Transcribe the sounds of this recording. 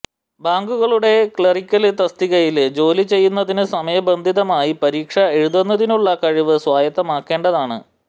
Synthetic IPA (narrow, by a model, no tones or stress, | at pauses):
baːŋɡuɣɐɭuɽe̞kɭerikʲːɐlt̪ɐst̪iɣɐjild͡ʑo̞ːlit͡ɕe̞jːunːɐðinɨsɐmɐjɐbɐnd̪ʱiðɐmaːjipɐɾiːkʂɐeɻuðenːɐðinuɭːɐkɐɻiʋɨswaːjɐt̪ːɐmaːkːe̞ːɳɖɐðaːɳɨ̰